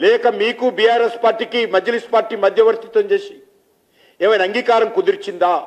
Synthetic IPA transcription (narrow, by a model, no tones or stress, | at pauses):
lɛːkɐmiːkubijaːɾespaːɾʈiːkimɐd͡ʒɐliːspaːɾʈiːmɐd̪ʱjɐʋɐɾt̪it̪ʋɐɲt͡ʃeːsii | eːʋɐjnɐŋɡiːkaːɾɐmkud̪iɾt͡ʃind̪aː